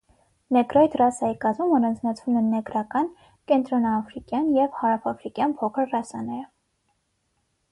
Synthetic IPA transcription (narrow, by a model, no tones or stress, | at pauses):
nɛɡɾɔit̪ʰrɑsɑjikɑzmumɔɾɑnd͡znɑt͡sʰvumɛnɛɡɾɑkɑn | kɛnt̪ɾɔnɑːfɾikjɑnjɛvhɑɾɑfɑfɾikjɑnpʰɔkʰəɾrɑsɑnɛɾ